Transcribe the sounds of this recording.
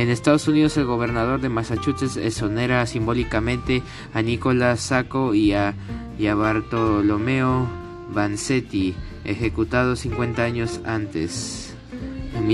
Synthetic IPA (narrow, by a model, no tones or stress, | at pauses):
ene̞st̪að̞osunið̞ose̞lɣo̞βe̞ɾnað̞o̞ɾðemasat͡ʃut͡ʃesḛsoneɾasimbo̞likamẽnt̪e̞ | aniko̞lasakoia | ʝaβaɾt̪olomeo | βanset̪i | ḛxe̞kut̪að̞osiŋkwe̞nt̪aaɲo̞sant̪ḛs